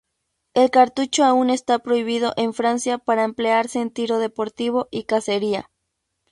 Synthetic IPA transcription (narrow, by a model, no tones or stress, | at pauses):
e̞lkaɾt̪ut͡ʃoaune̞st̪apɾo̞iβið̞o̞ʔeɱfɾansjapaɾaemple̞aɾseːnt̪iɾo̞ðe̞po̞ɾt̪iβo̞ʔikase̞ɾia̰